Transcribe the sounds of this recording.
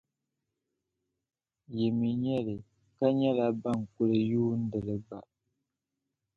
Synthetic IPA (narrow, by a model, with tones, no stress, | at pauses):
jɛ˨mi˨ɲɛ˦lɨ˨ | ka˦ɲɛ˦la˦ba˦˨ŋ˨kʊ˦lɨ˨juː˦n̩˦dɨ˨lɨ˨ɡ͡ba̰˨